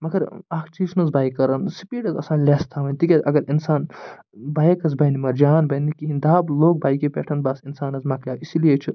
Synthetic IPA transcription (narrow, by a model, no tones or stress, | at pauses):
mɐɡɐɾaːkʰt͡ʃiːʃnɐzbaːjkːɐɾɐnsipiːɖɐzɐsaːnlʲest̪ʰaʋɐnʲt̪ikʲeɐɡɐɾinsaːn | baːjkɐs̬bɐjnimɐɾd͡ʒaːnbɐjnikiɦind̪aːbloːk̚baːjkepḛːʈʰɐnbɐsinsaːnɐzmɐkʰlʲaːisilijet͡ʃʰi